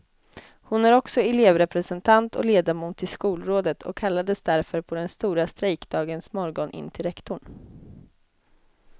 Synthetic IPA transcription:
hʊnæɾɔksɔɛleːvɾɛpɾɛsɛnt̪ʰant̪ʰɔ̰leːd̪aɾmuːt̪ʰːɪlskuːlɾoːd̪ət̪ʰɔ̰kʰːalːad̪əsd̪æɾfœɾpʰɔd̪ɛnst̪uːɾast̪ɾɛjkd̪ɑːɡənsmɔɾɡɔnʔɪ̰nːt̪ʰɪlɾɛkt̪ʊɳ

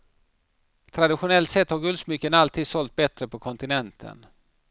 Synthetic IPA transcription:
t̪ʰɾad̪ɪɧʊnɛlt̪sɛt̪ːhɑɾɡɵlsmyːkənalt̪ʰiːd̪sɔlt̪̚bɛt̪ɾəpʰɔkʰɔnt̪ɪnɛnt̪ʰə̰n

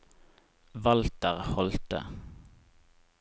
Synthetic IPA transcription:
ʋɑlt̪əʁhɔlt̪ə̰

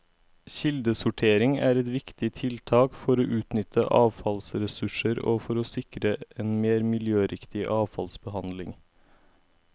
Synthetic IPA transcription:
çɪld̪əsʊʈʰeːɾɪŋæːɾɛt̪ʋɪkt̪ɪt̪ʰɪlt̪ʰɑːkfɔɾoːʔʉːt̪nʏt̪ʰəʔɑːʋfɑlsɾɛsʉʂəɾo̰ːfɔɾoːsɪkɾəʔeːnmeːɾmɪljøːɾɪkt̪ɪʔɑːʋfɑlsbəhɑnd̪lɪ̰ŋ

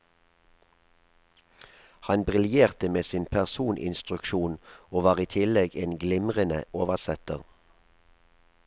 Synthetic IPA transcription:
hɑnbʁɪljeːʁt̪əmeːsiːnpʰæʁsuːnʔɪ̰nst̪ʁʉkʃuːnoːʋɑːʁiːt̪ʰɪlɛɡeːnɡlɪmʁənə̰ʔoːʋəsɛt̪əʁ

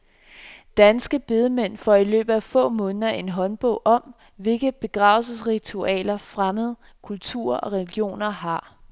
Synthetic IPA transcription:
d̥ænsɡ̥əb̥e̝ð̞ˠəmen̰fɒilø̰ːb̥ð̩ˠæfɔ̰̽ːmɔ̽ːnəðˠɐʔe̝nɦɒ̽nb̥ɔ̽ʊʔɒ̽m | ʋe̝lɡ̥əb̥e̝ɡ̥ʁɑ̈ːʊlsəsʁit͡sʰuɛ̰ːlɐfʁaməð̞̩ˠ | kʰult͡sʰṵɐʔɒ̽ʁɛliɡ̥jo̝̰ːnɐɦɑ̈

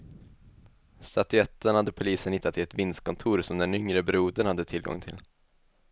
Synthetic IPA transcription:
st̪at̪ɵɛt̪ːənhad̪ːəpʰʊliːsənhɪt̪ːat̪ʰːɪlɛt̪vɪnst̪̚kʰɔnt̪ʰuːɾsɔmd̪ɛnʏŋɾəbɾuːd̪ənhad̪ːət̪ʰɪlɡɔ̰ŋt̪ʰɪ̰l

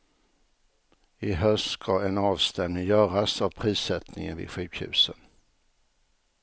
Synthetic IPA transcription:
ɪɦœskʰɑɛnɑːvst̪ɛmnɪŋjœːɾasavpʰɾiːsɛt̪nɪ̰ŋə̰nvɪ̰ɧʉ̟ːkhʉ̟̰ːsən

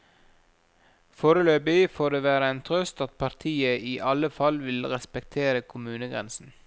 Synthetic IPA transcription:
foːɾəløːbɪfoːɖeːʋæːɾəænt̪ʰɾœst̪ɑt̪̚pʰɑɾt̪ʰiːəiːʔɑləfɑlʋɪlɾɛspɛk̚t̪ʰeːɾəkʰʊmʉːnəɡɾɛ̰nsn̩

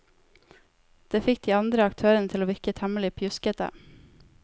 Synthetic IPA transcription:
d̪̥eːfɪk̚d̪iːɑnd̪ɾəɑk̚t̪ʰøːɾənət̪ʰɪloːʋɪɾkət̪hɛməlɪpʰjʉskət̪ə̰

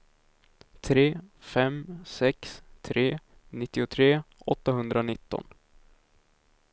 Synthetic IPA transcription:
t̪ʰɾeːfɛmsɛkst̪ʰɾeː | nɪt̪ːɪʊt̪ʰɾeːʔɔt̪ːaɦɵnd̪ɾaʊnɪt̪ːɔ̰n

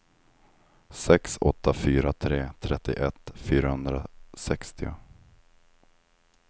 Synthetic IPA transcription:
sɛksɔt̪ʰːafyːɾat̪ʰɾeːt̪ʰɾɛt̪ːɪʔɛt̪ːfyːɾahɵnd̪ɾasɛkst̪ɪʊ

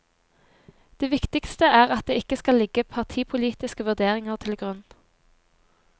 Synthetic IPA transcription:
d̪̥eːʋɪkt̪ɪkst̪əæːʁɑt̪̚d̪eːɪkəskɑlɪɡəpʰɑʁt̪ʰiːpʰʊliːt̪ɪskəʋʉʁd̪eːʁɪŋəʁt̪ʰɪlɡʁʉn

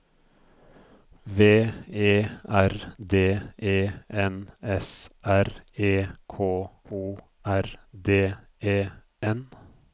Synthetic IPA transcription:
ʋeːeːæɾd̪eːʔeːʔɛnɛsʔæɾeːkʰoːuː | ʔæɾd̪eː | eː | ʔɛn

